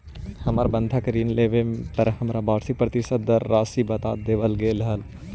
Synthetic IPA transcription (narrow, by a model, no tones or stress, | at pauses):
hɐmaːɾbə̃nd̪ʱakəɾiːnleʋepəɾɦɐmɾabaːɾsɪk̚pɾɐt̪ɪsəd̪ːəɾːaːsibɐt̪aːt̪d̪eːʋəlɡeːlɦəl